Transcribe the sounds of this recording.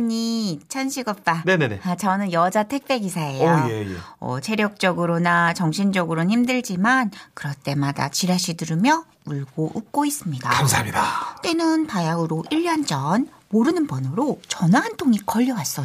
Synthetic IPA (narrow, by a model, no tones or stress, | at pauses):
ɲit͡ɕʰʌnɕʰiɡʌp̚p͈aneneneat͡ɕʌnɯnjʌd͡ʑatʰek̚p͈ʰe̞ɡisʰaejojejʌ̰t͡ɕʰe̞ɾjʌk̚t͡ɕ͈ʌɡɯɾonat͡ɕʌŋɕʰind͡ʑʌɡɯɾohimdɯɭd͡ʑimankɯɾʌt͈e̞mada̰t͡ɕiɾaɕʰidɯɾɯmjʌ | uɭɡoʔuk̚k͈ois͈ɯmɲida̰kamsʰaɾidat͈e̞nɯnpajaɡɯɾoʔiʎːʌnd͡ʑʌn | moɾɯnɯnpʌnɯɾot͡ɕʌnwaɦantʰoŋikʌʎːʌwas͈ʌ